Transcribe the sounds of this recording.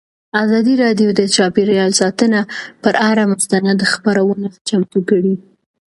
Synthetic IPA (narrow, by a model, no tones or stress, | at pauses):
azɑd̪iɾɑɖjod̪ət͡ʃɑpiɾjɑlsɑt̪ənapəɾaɾamʊst̪anad̪əxḁpaɾawənat͡ʃamt̪ukəɽi